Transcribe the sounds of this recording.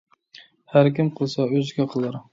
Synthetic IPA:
hæɾkʲimqʰəlˠsɑøzɡʲɛqʰəlˠɨɾ

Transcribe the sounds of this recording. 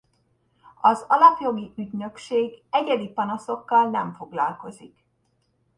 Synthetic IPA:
ɒzɒlɒpjo̞ɡiʔyɟnø̞kʃeːɡɛɟɛd̪ipɒnɒso̞kːɒlnɛɱfo̞ɡlɒ̰lko̞zik

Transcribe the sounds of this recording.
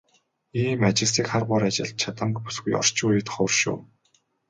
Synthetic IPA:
iːmat͡ɕɪ̆siːkχarɢʊːɾat͡ɕɪ̆ɮ̚t͡ɕʰat̪ə̆mkpu̥sɡujɔ̰r̥t͡ɕʊːjɪ̆t̪χɔrʃṵː

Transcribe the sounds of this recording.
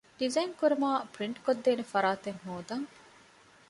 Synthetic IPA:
ɖizɐjŋkuɾɐmaːpɾiɳʈkod̪ːeːnefɐɾaːt̪eŋɦoːd̪ɐŋ

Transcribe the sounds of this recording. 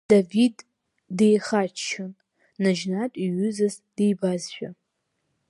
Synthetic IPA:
d̥avidː | ejχat͡ʃt͡ʃʰan | nad͡ʒnatʼiɥʏzaz | d̥ejbazʃᶣa

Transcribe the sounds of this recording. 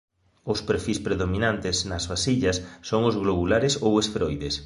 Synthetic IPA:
ʊspeɾfispɾeðomĩnant̪ɪsnɐzβasiʎɐsːoŋʊzɣloβulaɾɪsowesfɾojðes

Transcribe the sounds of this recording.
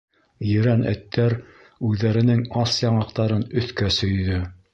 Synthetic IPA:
jɘ̆ɾænæ̰t̪ːæɾ | ʉðːæɾɘ̆nɘŋɑsjɑɴɑq̚t̪ɑɾɤnɵ̆θkæsɵ̆jðɵ

